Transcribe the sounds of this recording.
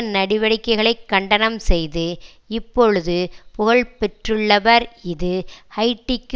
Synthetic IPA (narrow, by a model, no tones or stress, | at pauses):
nɐɽɪʋɐɽɪkːɐɪɣɐɭɐɪkːɐɳɖɐnɐmsɛjðɯ | ɪpːɔɻɯðɯpʊɣɐɭpɛʈrɯɭːɐʋɐɾɪðɯhɐɪʈːɪkː